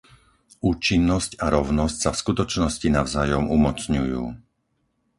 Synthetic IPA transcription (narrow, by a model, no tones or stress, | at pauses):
uːt͡ʃinːɔscaɾɔʊnɔscsafskut̪ɔt͡ʃnɔscinaʊzajɔmumɔt͡sɲujṵː